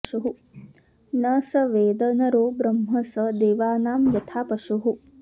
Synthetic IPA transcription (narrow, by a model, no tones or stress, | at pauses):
ʂuɦu | nɐsɐʋeːd̪ɐnɐɾoːbɾɐmɦɐsɐd̪eːʋaːnaːmjɐt̪ʰaːpɐʃuɦu